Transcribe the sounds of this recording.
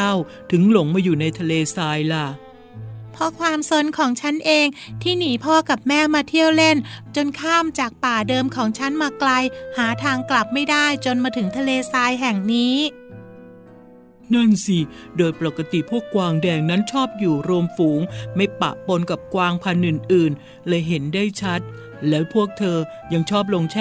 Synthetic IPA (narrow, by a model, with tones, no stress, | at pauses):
a˥˩w | t̪ʰɯ˩˦ŋlo˨˩˦ŋmaː˧juː˨˩na˧jt̪ʰa˧leː˧saː˧jla˧˩ | pʰɔ˦˥kʰwaː˧mso˧nkʰɔː˩˦ŋt͡ɕʰa˦˥nʔeː˧ŋt̪ʰiː˥˩niː˩˦pʰɔː˥˩ka˨˩p̚mɛː˥˩maː˧t̪ʰi˥˩əwle˥˩nt͡ɕo˧nkʰaː˥˩mt͡ɕaː˨˩k̚paː˨˩dɤː˧mkʰɔː˩˦ŋt͡ɕʰa˦˥nmaː˧kla˧jhaː˩˦t̪ʰaː˧ŋkla˨˩p̚ma˥˩jdaː˥˩jt͡ɕo˧nmaː˧t̪ʰɯ˩˦ŋt̪ʰa˧leː˧saː˧jɦɛ˨˩ŋniː˦˥ | na˥˩nsi˧˩ | doː˧jpa˨˩ka˧t̪i˨˩pʰu˥˩əkːwaː˧ŋdɛː˧ŋna˦˥nt͡ɕʰɔː˥˩p̚juː˨˩ɾu˧əmfuː˩˦ŋma˥˩jpa̰˨˩po˧nka˨˩p̚kwaː˧ŋpʰa˧nʔɯː˨˩nʔɯː˨˩n | lɤː˧jɦe˩˦ndaː˥˩jt͡ɕʰa˦˥t̪̚ | lɛː˦˥wpʰu˥˩ək̚t̪ʰɤː˧ | ja˧ŋt͡ɕʰɔː˥˩p̚lo˧ŋt͡ɕʰɛ˥